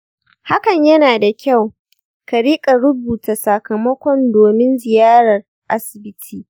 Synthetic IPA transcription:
ha˦kɐ˨ɲjɐ˦naː˨da˨kʲa˦˨w | ka˨ɽiː˦kʼa˨ɽʊ˦buː˨ta˨sa˨kɐ˨mɐ˦kʷɔ˦ndoː˨mɪ˦nzɪ˨jaː˦ɾɐ˨r | ʔa˦sɪ˨bɪ˦tʰiː˦

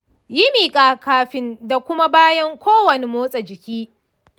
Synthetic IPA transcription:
jɪ˦miː˨kʼaː˨kaː˨ɸɪ˦nda˨kʷʊ˦ma˦baː˦jɐ˦ŋkʷoː˦wɐ˨ne˨moː˦sʼɐ˨d͡ʒɪ˨kʲiː˦

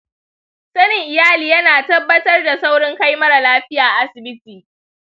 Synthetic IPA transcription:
sɐ˦nɪ˨ŋʔɪ˨jaː˦liː˨jɐ˦naː˨tɐ˦bːɐ˦tɐ˦rda˨sa˦wɽɪ˦ŋka˦jmɐ˦ɽa˨laː˦ɸɪ˦jaː˨ʔa˨ʔa˦sɪ˨bɪ˦tiː˨

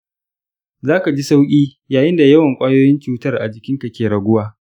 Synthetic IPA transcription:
zaː˦ka˨d͡ʒi˦sa˦wkʲʼiː˦ | jaː˨jɪ˦nda˨jɐ˦wɐ˨ŋkʷʼaː˦joː˦jɪ˦nt͡ʃuː˦tɐ˦rʔa̰˨d͡ʒɪ˨kʲɪ˦ŋka˨kʲeː˨ɽɐ˨ɡʷʊ˦waː˦

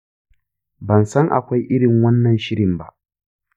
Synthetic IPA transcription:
bɐ˨nsɐ˦ŋʔa̰˨kʷa˦jʔɪ˦ɽɪ˨ŋwɐ˦nːɐ˨nʃɪ˦ɽɪ˨mba̰˦ʔ

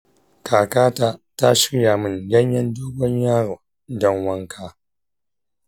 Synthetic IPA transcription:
kʰaː˨kaː˦taː˦ta˦ʃɪ̥˦ɽjaː˨mɪ˦njɐ˦ɲ˦jɐ˦ndoː˦ɡɔ˦ɲjaː˦ɽoː˨ | dɔ˦ŋwɐ˦ŋkʰaː˦

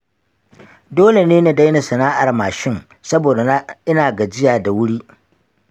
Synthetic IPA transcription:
doː˦le˨neː˦na˨da˦jna˨sɐ˨naː˦ʔa˨rmaː˨ʃɪ˦ŋ | sɐ˦boː˨da˨˦ʔɪ˦naː˨ɡa˨d͡ʒɪ˦jaː˨da˨wʊ˦ɽi˦ʔ

